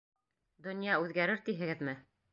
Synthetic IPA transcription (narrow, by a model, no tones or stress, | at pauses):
d̪ŏnjɑʉðɡæɾɘɾt̪iɦɘ̆ɡɘðmɘ